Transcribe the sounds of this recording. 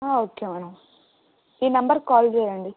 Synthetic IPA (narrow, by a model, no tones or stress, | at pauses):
aːoːkemenɐ̃ | inɐmbɐɾkɔːlzeɾeɳɖi